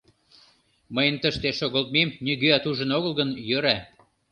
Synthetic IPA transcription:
məjənt̪əʃt̪eʃoɣolt̪̚memnyɣøæt̪uʒə̆noɣəlɣənjøɾæ

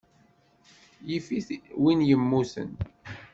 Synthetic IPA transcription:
jifiθwinjəmːusə̰n

